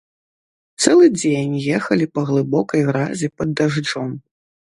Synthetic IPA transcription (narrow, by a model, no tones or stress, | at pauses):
t̪sɛlˠɨd͡zʲenʲjɛxɐlʲipɐɣlˠɨbɔkɐjɣɾazʲipɐd̪ːaʐd͡ʐɔm